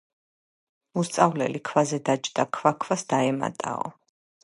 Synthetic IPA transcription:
ust̪sʼavlɛ̰likʰvazɛd̪ad͡ʒd̪akʰvakʰvasd̪aɛma̰t̪ʼa̰ɔ̰

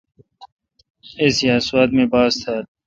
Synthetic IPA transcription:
esijaːsuwaːt̪̚mẽːbaːzt̪ʰaːɾ

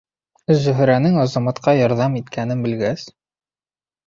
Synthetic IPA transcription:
ʒɵ̆ɦɵ̆ɾænɘŋɑzɑmɑt̪qɑjɒɾðɑmit̪kʰænɘmbɘ̆lɡæs

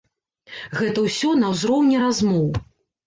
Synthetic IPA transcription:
ɣɛt̪ɐwsʲɔnɐwzɾɔwnʲɛɾazmɔw

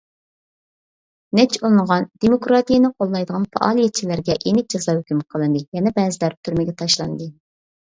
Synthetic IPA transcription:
nɛt͡ʃolˠnʁɑnd̪̥emokɾɑt̪ijenɨqʰolˠːɑjd̪əʁɑnfɑ̰ʔɑ̰ːlˠijɛt̪̚t͡ʃʰilæɾɡʲɛʔenɪk̚ʲd͡ʒɑzɑːhykʲymqʰəlˠɨnd̪ɨjɛnɛbɛːzɪlæɾ̚t̪ʰyɾmɪɡʲɛt̪ʰɑʃlˠɑnd̪ɨ

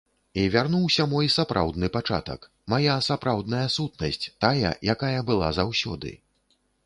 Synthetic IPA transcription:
ivʲarnuwsʲɐmɔjsapɾʔa̰wd̪nɨpat͡ʂa̰t̪ɐ̰k | majasapɾawd̪nɐjɐsut̪nɐsʲt͡sʲt̪ajɐ̰jakajɐbɨlˠa̰zawsʲɔ̰d̪ɨ̰

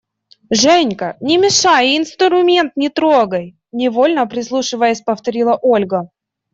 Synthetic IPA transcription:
ʐɛnʲkənʲɪmʲɪʂajɪnst̪ɾʊmʲe̞nt̪nʲɪt̪ɾoɡəj | nʲɪvolʲnəpɾʲɪslˠuʂɨvəjəsʲpəft̪ɐɾʲilˠəʔolʲɡə

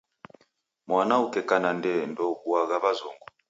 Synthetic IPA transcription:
mwanaukɛkanandɛndɔkuaɣaβazɔŋɡɔ

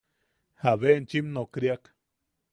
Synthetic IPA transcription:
haβent͡ʃimnokɾjak

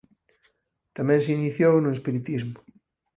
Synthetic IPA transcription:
t̪amɛ̃nseiniθjownuespiɾit̪izmʊ̥

